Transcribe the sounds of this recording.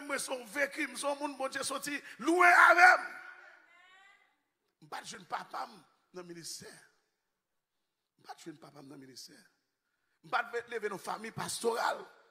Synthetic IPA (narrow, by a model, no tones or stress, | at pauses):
ɛmwɛsɔ̃vekim̩sɔ̃mũnbɔ̃d͡zjesotiluɛ̃avɛm | m̩patʒwɛnpapam | nɐ̃ministɛ | m̩pat̪ʒwɛnpapamnɐ̃ministɛ | m̩patlevenɔ̃fa̰mĩjpast̪oʁa̰l